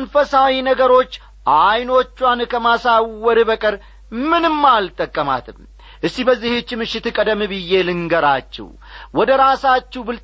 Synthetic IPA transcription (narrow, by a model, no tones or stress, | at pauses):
nfəsawinəɡəɾo̞t͡ʃː | ʔajno̞t͡ʃːwankʰəmasawəɾɨbəkʼɨɾ | mɨnɨmːalt̪ʼəkʼːəma̰t̪ʰɨm | ʔɨsːibəzːihet͡ʃːmɨʃɪt̪ɨkʼəd̪əmːɨbɨjːe̞lɨŋɡəɾat͡ʃːɛ̰w | wɔd̪əɾasat͡ʃːubɨl